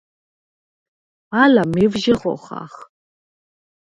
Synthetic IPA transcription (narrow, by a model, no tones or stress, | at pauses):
alamevʒɪʁo̰χa̰χ